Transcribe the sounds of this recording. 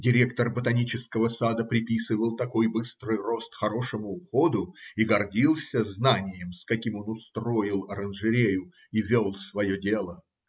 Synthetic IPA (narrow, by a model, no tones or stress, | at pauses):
dʲɪɾʲe̞kt̪ərbət̪ɐnʲit͡ɕɪskəvəsad̪əpɾʲɪpʲisɨvəlˠt̪ɐko̞jbɨst̪ɾɨjro̞st̪xɐɾo̞ʂəmʊːxod̪ʊiɡɐrdʲilˠsʲəznanʲɪjɪmskɐkʲimo̞nʊst̪ɾo̞jɪlˠɐɾənʐɨɾʲejʊ | ivʲolˠsvɐjo̞dʲe̞lˠə